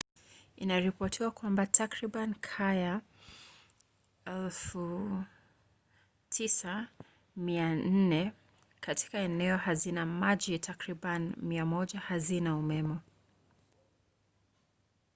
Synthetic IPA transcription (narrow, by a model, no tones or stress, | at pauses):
inaɾipɔtʰiwakwambatʰakɾiɓankʰaja | ɛlfu | tʰisa | mian̩nɛ | kati̥kaɛnɛɔhazinamaʄitʰakɾiɓanimiamɔʄahazinaumɛmɔ